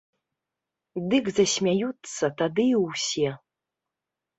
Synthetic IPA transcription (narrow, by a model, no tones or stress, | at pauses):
d̪ɨkzɐsʲmʲajut̪sːɐt̪ad̪ɨiwsʲɛ